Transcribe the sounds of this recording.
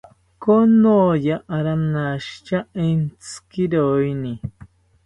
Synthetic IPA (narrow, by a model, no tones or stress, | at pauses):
konõjaʔaɾanãʃt͡ʃaẽnt͡skiɾojnĩ